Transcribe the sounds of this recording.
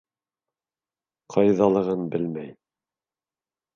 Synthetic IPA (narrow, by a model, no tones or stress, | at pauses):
qʰɑjðɑlˠɤ̆ʁɤnbɘlmæj